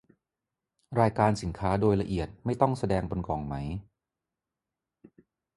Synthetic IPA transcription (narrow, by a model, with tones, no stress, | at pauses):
ɾaː˧jkaː˧nsi˩˦nkʰaː˦˥doː˧jla˧ʔi˨˩ət̪̚ma˥˩jt̪ɔ˥˩ŋsa˧dɛː˧ŋbo˧nkɔː˩˦ŋma˦˥j